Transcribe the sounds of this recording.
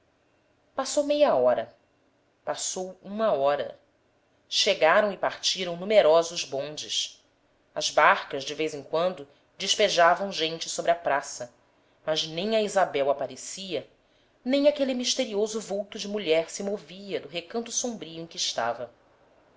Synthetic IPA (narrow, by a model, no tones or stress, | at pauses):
pasowmejɐɔɾɐ | pasowũmɐɔɾɐ̰ | ʃeɡaɾɐ̃w̃ɪpaχt͡ʃiɾɐ̃w̃numeɾɔzʊʒbõnd͡ʒɪʃ | ɐzbaɾkɐzd͡ʒɪvejzẽŋkwɐ̃nd̪ʊ | d͡ʒɪʃpeʒavɐ̃w̃ʒẽnt͡ʃɪsobɾɪɐpɾasɐ | mɐznẽj̃ɐizabɛwapaɾesiɐ | nẽj̃akelimiʃt̪eɾiozʊvuwt̪ʊd͡ʒɪmuʎɛɾsɪmoviɐd̪ʊɦekɐ̃nt̪ʊsõbɾiʊẽkɪːʃt̪a̰vɐ